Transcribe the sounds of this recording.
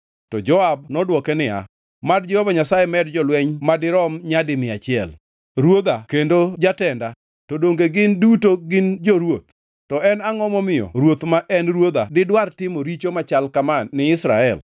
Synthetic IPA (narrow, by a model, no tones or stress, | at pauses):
tɔd͡ʒɔab̚nɔdwɔkɛnɪa̰ | madd͡ʒɛhovaɲasajemɛdd͡ʒɔlwɛɲmadɪɾɔmɲadɪmɪat͡ʃɪɛ̰l | ɾwod̪akendod͡ʒatɛnda | todoŋɡeɡɪndutoɡɪnd͡ʒoɾwot̪̚ | tɔɛnaŋɔmɔmɪjɔ̰ɾwot̪maʔɛnɾwod̪adɪdwartɪmoɾit͡ʃomat͡ʃalkamaːɪɪsɾa̰ɛl